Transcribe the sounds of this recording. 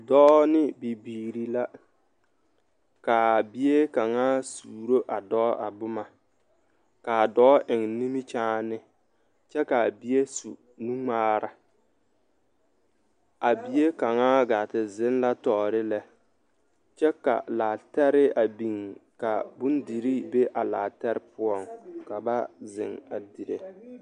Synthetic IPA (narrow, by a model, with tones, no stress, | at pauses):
dɔː˦nɪ˦bi˨biː˨ɾi˨la˦ | ka˨bi˦e˦ka˨ŋaː˦suː˨ɾo˦ʔa˨dɔː˦ʔa˨bʊ˦ma˨ | ka˨dɔː˦ʔɪ˨ŋni˦mi˦t͡ʃaː˦nɪ˦ | t͡ʃɛ˦ka˨a˨bi˨e˦su˨ | nu˦ŋ͡maː˦ɾa˦ | a˨bi˨e˦ka˨ŋaː˦ɡaː˨tɪ˨zɪ˦nla˦tɔː˨ɾɪ˦lɛ˦ | t͡ʃɛ˦ka̰˨laː˨tɛ˦ɾɪ˦a˨bi˨ŋka˨bʊ˦ndi˨ɾi˦be˦ʔa˨la̰ː˨tɛ˦ɾɪ˦pʊ˦ɔ˦˨ŋka˨ba˦zɪ˨ŋa˨di˨ɾḛ˨